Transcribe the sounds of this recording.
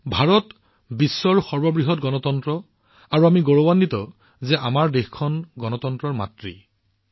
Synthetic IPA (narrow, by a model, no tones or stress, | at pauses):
bʱaɹɔt | bisːɔɹxɔɹbɔbɹiɦɔtɡɔnɔtɔntɹɔ | aɹuamiɡoɹowanditɔ | zɛʔamaɹdexkʰɔnɡɔnɔtɔntɹɔɹma̰tɹḭ